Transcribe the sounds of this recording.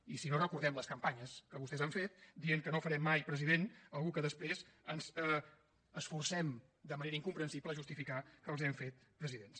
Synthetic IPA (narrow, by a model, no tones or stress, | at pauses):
isinorəkuɾðɛmləskəmpaɲəskəβust̪ɛzaɱfet̪̚d̪ieŋkənofəɾɛmːajpɾəziðenəlˠɣukəðəspɾezənzə | əsfursɛm | d̪əməneɾəiŋkumpɾənsipləʒust̪ifikakəːlˠzɛɱfet̪̚pɾəziðens